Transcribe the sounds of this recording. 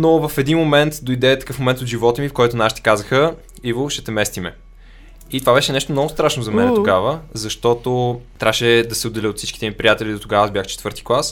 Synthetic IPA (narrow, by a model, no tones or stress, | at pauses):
novɐfɛd̪inmomɛnt̪d̪ojd̪ɛt̪ɐkɤfmomɛnt̪ot̪ʒivɔt̪əmifkɔjt̪onaʃi̥t̪ɛ̥kazəxə | ivoʃɛt̪ɛmɛst̪imɛ̰ | it̪ovabɛʃɛnɛʃt̪omnɔɡʊst̪ɾaʃnozɐmɛnɛt̪oɡavəzɐʃt̪ɔt̪ot̪ɾʲaʃɛd̪ɐsɛod̪ːɛliot̪si̥t͡ʃki̥t̪ɛnipɾʲijat̪ɛlʲid̪ot̪oɡavzbʲjaxt͡ʃɛ̥t̪vɤɾt̪i̥klˠas